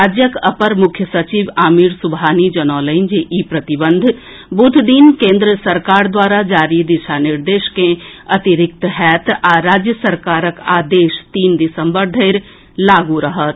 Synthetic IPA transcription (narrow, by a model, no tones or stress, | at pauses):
aːd͡ʒjəkəpəɾmʊkʰjəsɐt͡ʃiːʋaːmiɾsʊbʱaːnid͡ʒɐnɔːləɪnd͡ʒeʔipɾɐt̪ibə̃nd̪ʱ | but̪d̪iːnkẽːnd̪ɾəsəɾkaːɾd̪waːɾad͡ʒaːɾid̪ɪʃanɪɾd̪eːʃkẽɐt̪iɾɪk̚t̪ɦɛːt̪aɾaːd͡ʒjəsəɾkaːɾəkaːd̪eːʃt̪iːnd̪ɪsəmbəɾd̪ʱəɪɾ | laːɡuɾəɦət̪̚